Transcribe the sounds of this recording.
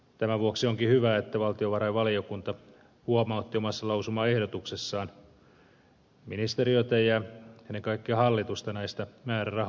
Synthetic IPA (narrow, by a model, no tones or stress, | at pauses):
t̪æmæʋuoksioŋkihyʋæːet̪ːæʋɑlt̪ioʋɑɾɑjʋɑliokunt̪ɑ | huomɑut̪ːiomɑsːɑlɑusumɑːehdot̪uksesːɑːn | minist̪eɾiot̪ejɑenːeŋkɑikːiɑhɑlːit̪ust̪ɑnæist̪æmæːrærɑh